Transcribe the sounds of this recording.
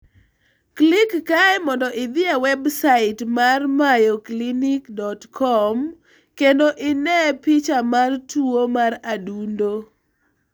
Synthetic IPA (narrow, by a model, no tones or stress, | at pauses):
klikːaɛmɔndɔʔɪd̪ɪawɛbsaɪtmarmajɔklinikdɔtkʰɔm | kendoʔɪnɛpɪt͡ʃamartuomaradundo